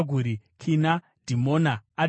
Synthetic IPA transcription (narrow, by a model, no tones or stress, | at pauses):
ɡʱuɾikʰina | dʱimonaː